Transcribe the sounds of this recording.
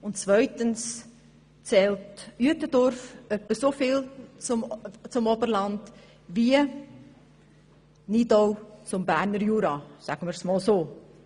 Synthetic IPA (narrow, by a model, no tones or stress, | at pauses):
ʊntt͡sʋœʏtəns | t͡sɛːltyətədɔɾfœpːəsofɪːlt͡sʊmt͡sʊmɔbəɾlɑnd̥̪ | ʋiə | nidɔwt͡sʊmbæːɾnəɾjuːɾɑsæɡ̥əməɾsmɔːlsoː